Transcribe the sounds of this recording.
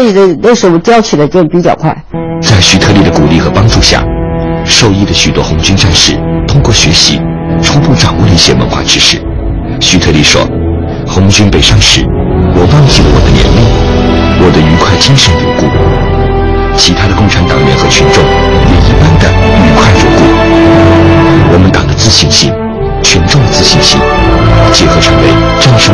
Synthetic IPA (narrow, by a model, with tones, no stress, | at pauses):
i˨˩də˥˩we˥˩ɪʂɻ̩˧˥wt͡ɕjɑ˥ʊt͡ɕʰy˨˩d̪ə˧t͡ɕpi˧˥t͡ɕjɑ˨˩ʊkʰwa̰˥˩ɪt͡sa˥˩ɪɕy˧˥t̪ʰɤ˥˧li˥˩d̪ə˩ku˨˩li˥˩xɤ˧˥pɑ˥ŋʈ͡ʂu˥˧ɕja̰˥˩ʂo˥˧ʊi˥˩d̪ə˩ɕy˨˩t̪wɔ˥xʊ˧˥ŋt͡ɕy˥nʈ͡ʂa˥˧nʂɻ̩˥˩t̪ʰʊ˥ŋkwɔ˥˩ɕɥɛ˧˥ɕḭ˧˥ | ʈ͡ʂʰu˥pu˥˩ʈ͡ʂɑ˨˩ŋwɔ˥˩d̪ə˧i˥˩ɕjɛ˥˧wə̰˧˥nxwa̰˥˩ʈ͡ʂɻ̩˥ʂɻ̩˥˩ | ɕy˧˥t̪ʰɤ˥˧li˥˩ʂwɔ̰˥ | xʊ˧˥ŋt͡ɕy˥npe˨˩ɪʂɑ˥˧ŋʂɻ̩˧˩wɔ˨˩wɑ˥˧ŋt͡ɕi˥˩lə˨˩wɔ̰˨˩d̪ə˦njɛ̰˧˥nli˥˩wɔ˨˩d̪ə˦y˧˥kʰwa˥˩ɪt͡ɕi˥nʂə˧˥nt̪ṵ˧˥ku˥˩ | t͡ɕʰi˧˥t̪ʰa˥d̪ə˨kʊ˥˩ŋʈ͡ʂʰa˧˥nt̪ɑ˨˩ŋljɛ̰˧˥˩nxɤ˧˥t͡ɕʰy˧˥nʈ͡ʂʊ˥˧ŋ | jɛ˨˩i˥˩pa˥nd̪ə̰˨y˧˥kʰwa˥˩ɪʈ͡ʂṵ˨˧˩ku˥˩ | wɔ˨˩mə˦nt̪ɑ̰˨˩ŋd̪ə˦t͡sɹ̩˥˧ɕi˥˧ŋɕi˥˩ŋ | t͡ɕʰy˧˥nʈ͡ʂʊ˥˩ŋd̪ə˩t͡sɹ̩˥˧ɕi˥˧ŋɕḭ˥˩ŋ˥˧˩t͡ɕjɛ˥˩xɤ˧˥ʈ͡ʂʰa˧˥nwḛ˥˧˩ɪʈ͡ʂa˥˧nʂo˥